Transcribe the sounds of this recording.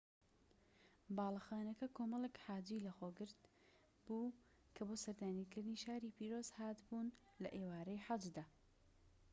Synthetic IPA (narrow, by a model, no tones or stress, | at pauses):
bɑːlˠɐxaːnɐkɐkʰoːmɐlˠekħaːd͡ʒiːlɐxoːɡɨɾt̪ | buː | kʰɐboːsɐɾd̪aːnikɨɾd̪ɨniʃaːɾiːpiːɾozhaːt̪bun | lɐ̰ʔeːwaːɾɐjħad͡ʒd̪aː